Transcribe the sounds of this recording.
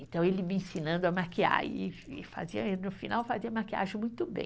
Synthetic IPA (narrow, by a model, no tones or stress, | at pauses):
ẽt̪ɐ̃w̃elɪmɪẽsinɐ̃nd̪ʊamakia̰ɾɪ̰fa̰ziɐ̰elɪnʊfinawfaziɐmakia̰ʒẽj̃mũj̃t̪ʊbḛ̃j